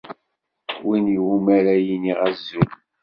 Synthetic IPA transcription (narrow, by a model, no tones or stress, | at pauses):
winiwumæɾæjiniʁæzːun